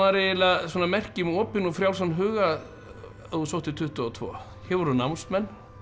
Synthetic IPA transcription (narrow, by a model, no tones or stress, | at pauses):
ðaɾɪɪlasɔnamɛr̥cɪmɔːpɪnɔfɾjawlsanːɦʏːɣa | usowht̪ɪt̪ʰʏht̪ʏɔt̪ʰvɔ̰ː | hɛvɔɾʏnawmst̪mɛnː